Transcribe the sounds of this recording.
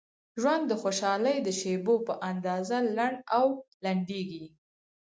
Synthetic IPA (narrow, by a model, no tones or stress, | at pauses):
ʒwand̪ːəxoʃɑləjd̪əʃebopəʔand̪ɑzalaɳɖawlaɳɖeɡi